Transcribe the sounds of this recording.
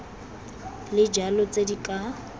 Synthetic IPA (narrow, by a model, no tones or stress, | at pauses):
lɪd͡ʒalɔt͡sʼedikʼa